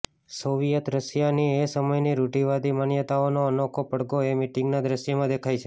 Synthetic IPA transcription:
soʋijət̪ɾəʃjaniesəməjniɾuʈiʋad̪imanjət̪aonoənokʰopəɽɡoemiʈɪ̃ŋɡnad̪ɾəʃəmãd̪ekʰajt͡ʃʰe

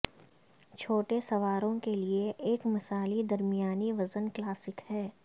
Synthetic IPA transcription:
t͡ʃʰoːʈesɐʋaːɾõkelieʔeːkmɐsaːlid̪ɐɾmijaːniʋɐzənklaːsɪkhɛː

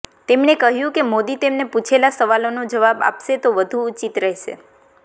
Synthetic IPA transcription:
t̪emnekəɦjũkemod̪it̪emnepũt͡ʃʰelasəʋalonũd͡ʒəʋaba̰pʃet̪oʋəd̪ʱuːt͡ʃit̪ɾəɦʃḛ

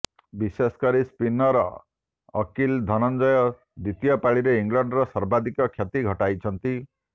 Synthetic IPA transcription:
bisesɔ̥kaɾispinɔɾɔ̰ː | kild̪ʱɔnɔnd͡ʒɔjɔ | d̪it̪ijɔpaɭiɾeiŋɡlaɳɖɾɔsɔɾbad̪ʱikɔkʰjat̪iɡʱɔʈajt͡ʃʰɔnt̪i

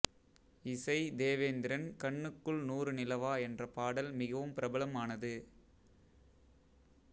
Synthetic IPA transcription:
ɪsɐɪd̪eːʋeːnd̪ɪɾɐnkɐɳːɯkːɯɭnuːrɯnɪlɐʋaːɛndrɐpaːɽɐlmɪɣɐʋɯmpɪɾɐbɐlɐmaːnɐðɯ

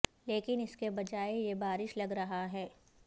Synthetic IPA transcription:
leːkɪnɪskebɐd͡ʒaːejebaːɾɪʃlɐɡɾɐɦaɦɛː

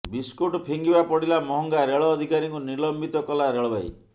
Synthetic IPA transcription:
biskuʈɔpʰiŋɡibapɔɽilamɔɦɔŋɡaɾeɭɔːd̪ʱikaɾiŋkunilɔmbit̪ɔkɔlaɾeɭɔbaj̰

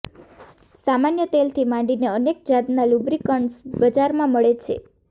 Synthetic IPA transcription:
samanjət̪elt̪ʰimãɳɖineənek̚d͡ʒad̪nalubɾikəɳɖsbəd͡ʒaɾmãməɭet͡ʃʰḛ

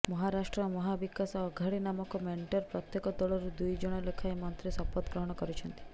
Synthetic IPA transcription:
mɔɦaɾasʈɾɔmɔɦabikasɔːɡʱaɽinamɔkɔmeɳʈɔɾpɾɔt̪jekɔd̪ɔɭɔɾud̪ujd͡ʒɔɽ̃ɔlekʰaemɔnt̪ɾisɔpɔt̪ɡɾɔɦɔɽ̃ɔkɔɾit͡ʃʰɔnt̪i̥

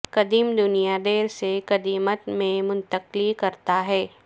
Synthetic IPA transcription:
kɐd̪iːmd̪ʊnijad̪eːɾsekɐd̪iːmət̪mẽmʊ̃nt̪əqlikɐɾt̪aɦɛː

